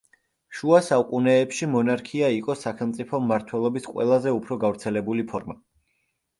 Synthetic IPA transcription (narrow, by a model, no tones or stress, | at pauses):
ʃuasaukʼunɛːpʃimɔnaɾkʰiaiqʼɔsaχɛlmt̪sʼipʰɔmːaɾt̪ʰwɛlˠɔbisqʼwɛ̰lˠazɛupʰɾɔɡavɾt̪sʰɛlɛbulipʰɔɾma